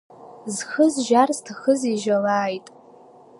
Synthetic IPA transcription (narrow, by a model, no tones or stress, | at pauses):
zxəzʒarztʰaχəziʒalaːjtʼ